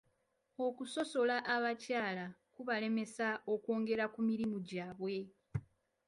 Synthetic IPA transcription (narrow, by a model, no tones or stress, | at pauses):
o̞kuso̞so̞laʔaβacaːlakuβale̞me̞sao̞kwo̞ːŋɡe̞ɾakumiɾimuɟaːβwe̞